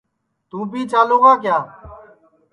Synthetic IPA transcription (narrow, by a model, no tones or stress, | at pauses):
t̪uːbʱiːt͡ʃaːloːɡaːkjaː